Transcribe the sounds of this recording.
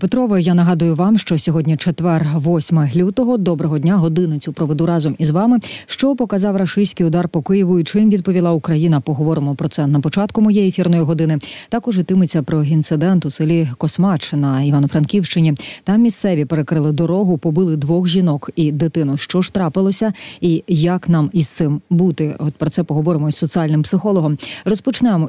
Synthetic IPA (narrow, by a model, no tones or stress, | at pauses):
pet̪ɾɔʋɔjanɐɦɑd̪ʊjʊʋɑmʃt͡ʃɔsʲɔɦɔdʲnʲit͡ʃet̪ʋɛrʋɔsʲmɐɦlʲut̪ɔɦɔd̪ɔbɾɔɦɔd̪ʲnʲaɦɔd̪ɪnɪt͡sʲʊpɾɔʋed̪uɾɑzɔmizʋɑmɪʃt͡ʃɔpɔkɐzɑwrɐʃɪjsʲkijʊd̪ɑrpɔkɪjɪʋʊit͡ʃimʋʲid̪̚pɔʋʲilˠɑukɾɐjinɐpɔɦɔʋɔɾɪmɔpɾɔt̪sɛnɐpɔt͡ʃɑt̪kʊmɔjɛjefʲirnɔjiɦɔd̪ɪnɪt̪ɑkɔʒɪt̪ɪmɪt͡sʲːɐpɾɔint̪sɪd̪ɛnt̪ʊsɪlʲikɔsmɑt͡ʃɪnɐiʋɑnɐfɾɐnkʲiwʃt͡ʃɪnʲit̪ɑmːʲist̪sɛʋʲipeɾekɾɪlˠɪd̪ɔɾɔɦʊpɔbɪlˠɪd̪ʋɔxʒʲinɔkid̪ɪt̪ɪnʊʃt͡ʃɔʃt̪ɾɑpɪlˠɔsʲɐijɐknɑmist̪sɪmbut̪ɪɔt̪̚pɾɔt̪sɛpɔɦɔʋɔɾɪmɔsʲːɔt͡s̪ʲiɑlʲnɪmpsɪxɔlˠɔɦɔmrɔspɔt͡ʃnɛmɔ